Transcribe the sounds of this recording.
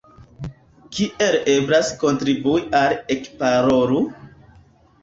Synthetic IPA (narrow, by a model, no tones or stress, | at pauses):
kiʔe̞le̞blasko̞ntɾibuiʔalekpaɾoɾu